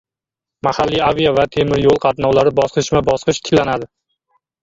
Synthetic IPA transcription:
mahalːiavijavat̪ʰe̞mɪɾjolˠqʰɑt̪nɒwlaɾɪbɒsqɨʃmabɒsqɨʃt̪ʰɪ̥kʲlanad̪ɪ

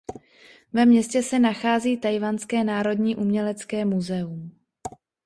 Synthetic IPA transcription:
vɛmɲɛscɛsɛnaxaːziːt̪ajvanskɛːnaːɾo̞dɲiːʔumɲɛlɛt͡skɛːmuzɛum

